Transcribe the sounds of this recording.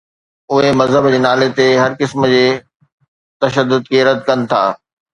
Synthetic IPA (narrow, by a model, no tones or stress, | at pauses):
ʊɦemɐzɦəbd͡ʑeːnaːlet̪eɦɐɾkɪsməd͡ʑeː | t̪ɐʃəd̪ːʊd̪keːɾəd̪kɐnɪ̆t̪ʰa̰ː